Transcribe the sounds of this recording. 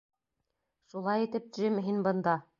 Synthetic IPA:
ʃulˠɑjit̪ɘp̚ʒɘmɦinbɤ̆nd̪ɑ

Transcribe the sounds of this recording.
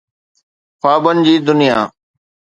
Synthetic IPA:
paːbənɪ̆d͡ʑiːd̪ʊnɪja̰ː

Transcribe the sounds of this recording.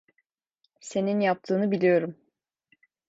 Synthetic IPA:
se̞ninjap̚t̪ʰɯːnɯbilʲijo̞ɾum

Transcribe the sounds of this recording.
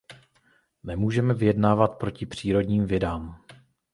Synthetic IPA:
nɛmuːʒɛmɛvɪjɛdnaːvat̪pɾo̞cɪpr̝̥iːɾo̞dɲiːmvɪdaːm

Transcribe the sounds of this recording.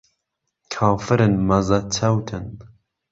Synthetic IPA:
kʰaːfɨɾɨnmɐzat͡sʰɐwt̪ʰɨn

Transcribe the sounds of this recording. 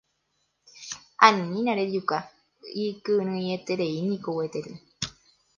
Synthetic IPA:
ãnĩnĩnãɾed͡ʒuka | ikɨɾ̃ɨ̃jet̪eɾeinĩkowet̪eɾɨ

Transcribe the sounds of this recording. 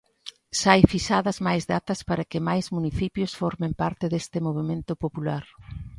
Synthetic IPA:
sajfisaðɐzmajzðat̪ɐspaɾɐkɪmajzmuniθipjosfɔɾmẽmpaɾt̪ɪðest̪ɪmoβ̞emẽnt̪ʊpopulaɾ

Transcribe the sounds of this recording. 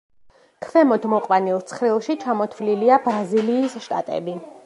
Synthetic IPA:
kʰvɛmɔd̪mɔqʼwanilˠt̪sʰχɾilˠʃit͡ʃʰamɔt̪ʰvliliabɾaziliːsʃt̪ʼa̰t̪ʼɛ̰bi

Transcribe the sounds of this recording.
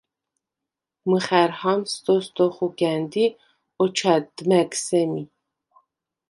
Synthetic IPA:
mɨχæɾhamst̪ɔst̪ɔχuɡænd̪i | ɔt͡ʃʰad̪mæksɛmi

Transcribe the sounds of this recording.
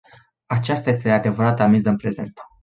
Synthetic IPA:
at͡ʃast̪aje̞s̬t̪ed̪ead̪e̞vəɾat̪amizəɨnpɾe̞ze̞̰nt̪

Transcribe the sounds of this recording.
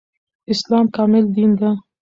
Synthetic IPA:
ɪslɑːmkɑːmɪld̪ind̪a

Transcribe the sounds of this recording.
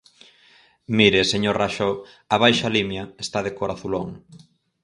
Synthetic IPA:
miɾeseɲoɾraʃo | aβ̞ajʃalimjaest̪að̞ekoɾaθuloŋ

